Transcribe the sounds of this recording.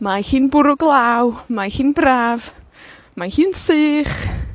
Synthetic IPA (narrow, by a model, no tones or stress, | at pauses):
mahɨːnbʊɾʊɡlˠaːwmahɨːnbraːv | mahɨːnsɨːχ